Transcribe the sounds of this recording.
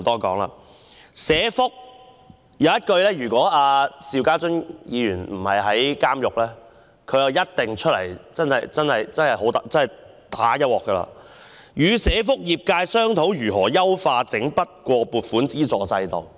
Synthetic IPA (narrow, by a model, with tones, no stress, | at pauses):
t̪ɔː˥kɔ̰ː˨˥ŋla̰ː˧ | sɛː˨˧˥fʊ˥k̚ | jɐ˨˧wjɐ˥t̚kɵ˧ɥlɛː˥jyː˨˩kʷɔː˨˥aː˧siː˨˧wkaː˥t͡sɵ˥ŋjiː˨˧jyː˨˩nm̩˨˩hɐ˨jɦɐ˨˥jkaː˥mjʊ˨k̚lɛː˥ | kʰɵ˨˧ɥjɐ˨˧wjɐ˥t̚t̪ɪ˨ŋt͡ʃʰɵ˥t̚lɐ̰˨˩jt͡sɐ˥nhɐ˨˩jt͡sɐ˥nhɐ˨jt͡sɐ˥nhɐ˨˩jho˨˥wt̪a˨t͡sɐ˥nhɐ˨j | t̪aː˨˥jɐ˥t̚wɔː˨kːəː˧la̰ː˧ | jyː˨˧sɛː˨˧˥fʊ˥k̚jiː˨p̚kaː˧jsœː˥ŋt̪ʰo˨˥wjyː˨˩ɦɔː˨˩jɐ˥wfaː˧t͡sɪ˨˥ŋpɐ˥t̚kʷɔː˧puː˨t̚fuː˨˥nt͡siː˥t͡sɔː˨˧t͡sɐ˧jt̪ɔ̰˨w